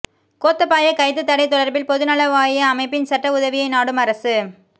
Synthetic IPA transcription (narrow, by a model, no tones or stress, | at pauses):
koːt̪ːɐpːaːjɐkɐɪt̪ːɯt̪ːɐɽɐɪt̪ːɔɽɐɾbɪlpɔðɯnɐlɐʋaːjɪjɐːmɐɪpːɪnsɐʈːɐʊðɐʋɪjɐɪnaːɽɯmɐɾɐsɯ